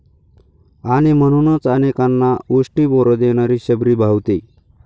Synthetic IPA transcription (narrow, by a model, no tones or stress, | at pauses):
aɽ̃iməɽ̃unot͡sanekanːausʈiːboɾod̪eɽ̃aɾiːɕəbɾiːbʱawt̪e